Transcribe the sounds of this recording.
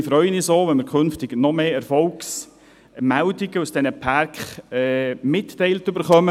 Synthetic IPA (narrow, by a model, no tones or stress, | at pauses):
fɾœʏənisoːʋɛnmɪɾkʰχɵnftɪɡnɔmeːɛɾfɔlks | mældiɡəusd̥ɛnəpʰaɾkχɛmɪtːɛɪltʏbəɾχœmə